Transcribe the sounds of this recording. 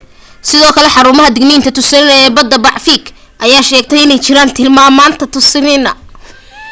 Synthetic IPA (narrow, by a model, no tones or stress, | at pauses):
sɪðɔːkʰɐlɛħɑɾuːmɐɦɐd̪ɪɡniːnt̪ʰɐt̪ʰʊsɪnɪnɐɛːbɐd̪ːɐbɑʕfiːk | ʔɐjaːʃɛːɡ̚t̪ʰɛjɪnɛjt͡ʃɪɾaːnt̪ʰɪlmaːmaːnt̪ʰɐt̪ʰʊsɪnɪnɐ̰